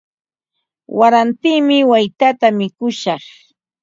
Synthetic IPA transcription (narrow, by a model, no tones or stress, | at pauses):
waɾant̪iːmɪwajt̪at̪amɪkʊʃɑχ